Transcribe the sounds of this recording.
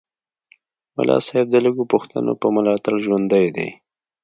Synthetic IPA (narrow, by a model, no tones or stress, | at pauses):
mʊ̰lɑ̰sɑɪb̚d̪ələɡopʊxt̪a̰no̰pəmʊlɑt̪alʒwand̪əjd̪ḛ